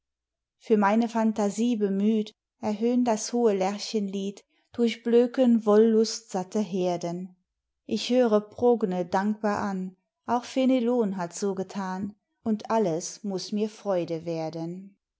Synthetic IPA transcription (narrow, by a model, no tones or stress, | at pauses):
fyːɐmaɪnəfantaziːbəmyːt | ʔɛɐɦøːndashoːəlɛɐçənliːt | d̥ʊɐçb̥løːkənvɔlːʊstz̥atəɦeːɐdən | ʔɪçhøːʁ̞əpʁ̥oɡnədaŋk̚b̥aːɐʔan | ʔaʊxfeneloːnɦatz̥oːɡətʰaːn | ʊntʔaləsmʊsmiːɐfʁ̥ɔʏdəveːɐdən